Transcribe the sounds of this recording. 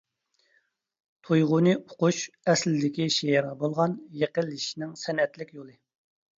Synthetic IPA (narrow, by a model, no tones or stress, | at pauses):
t̪ʰojʁʊnɨoquʃɛslɪd̪ɪkʲiʃejeɾʁɑbolˠʁɑnjeqəlːɪʃinɪŋsɛnɛt̪lɪkʲjolˠɨ